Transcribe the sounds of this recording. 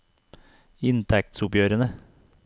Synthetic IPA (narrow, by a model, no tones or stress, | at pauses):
ɪnt̪ʰæk̚t̪sʊpjøːɾənə